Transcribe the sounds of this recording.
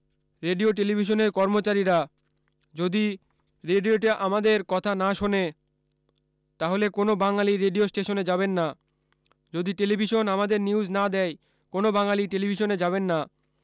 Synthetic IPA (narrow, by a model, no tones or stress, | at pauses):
ɾeɖioʈ̬elibʱiʃ̬oneɾkɔɾmot͡ɕaɾiɾa | d͡ʑod̪i | ɾeɖioʈeʔamad̪eɾkɔt̪ʰanaʃone | t̪aɦolekonobaŋaliɾeɖiosʈeʃoned͡ʑabenːa | d͡ʑod̪iʈelibʱiʃonamad̪eɾniud͡ʑnad̪ɛj | konobaŋaliʈelibʱiʃoned͡ʑaβenːa